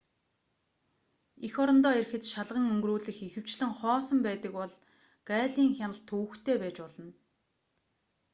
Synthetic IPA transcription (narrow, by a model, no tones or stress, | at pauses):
ixɔɾɞ̆nt̪ɔːerxɘ̆t̪ʃaɮʁə̆ŋɵŋɡruːɮɘ̆xixɘ̆w̥t͡ɕɮɘ̆ŋχɔːsɞ̆mpæːt̪ə̆kpɔɮ | ɢ̥æːɮiːŋxʲanə̆ɬt̪ʰːŭːxt̪ʰeːpæːt͡ɕpɔɮɞ̆n